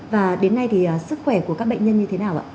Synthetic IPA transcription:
vaː˨˩ɗe˨˦nːa˧jt̪ʰi˨˩ʔəː˨˩sɨ˦˥k̚xwɛ˧˩ku˧˩əkaː˦˥k̚ɓə̰˧˨jŋ̟ɲə˧nɲɨ˧t̪ʰe˨˦naː˨˩wʔa̰ː˧

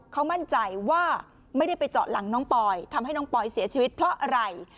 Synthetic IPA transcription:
kʰa˦˥wma˥˩nt͡ɕa˧jwaː˥˩ | ma˥˩jda˥˩jpa˧jt͡ɕɔ̰ː˨˩t̪̚la˩˦ŋnɔː˦˥ŋpɔː˧jt̪ʰa˧mɦa˥˩jnɔ˦˥ŋpɔː˧jsi˩˦ɐt͡ɕʰiː˧wi˦˥t̪̚pʰɾɔ˦˥ʔa˧ɾa˧j

